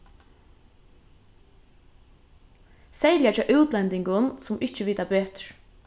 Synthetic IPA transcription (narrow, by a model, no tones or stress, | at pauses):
sɛjljat͡ʃɛːʔʉwt̪lɛnt̪ɪŋɡʊnsʊmʔɪht͡ʃəʋiːt̪apeːt̪ɹ̥